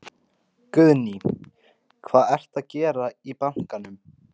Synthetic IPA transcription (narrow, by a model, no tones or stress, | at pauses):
kʏðni | kʰvaːðɛr̥t̪aðcɛːɾaipan̥kanʏm